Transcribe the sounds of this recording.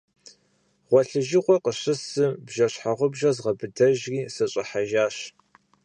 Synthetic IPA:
ʁʷɔɬɨʒɪqʷɔqəɕɨsɨbʒɐɕħaʁʷʊbʒɐzʁɐbɨdɐʒriːsɐɕʼɐħaʒaːɕ

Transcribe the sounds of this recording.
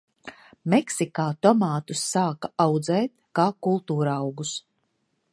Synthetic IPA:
mɛksikaːt̪ɔmaːt̪usːaːkaawd̪zɛːt̪̚kaːkulˠt̪uːɾawɡus

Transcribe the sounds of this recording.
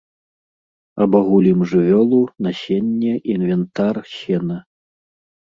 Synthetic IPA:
ɐbaɣulʲimʐɨvʲɔlˠunaɕʲɛnʲːɛʔinvʲɛnt̪arɕʲɛnɐ

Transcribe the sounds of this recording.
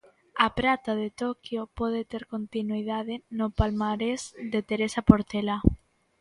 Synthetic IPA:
apɾat̪aðet̪okjopɔð̞et̪eɾkont̪inuiðaðenopalmaɾezd̪et̪eɾesapoɾt̪ela

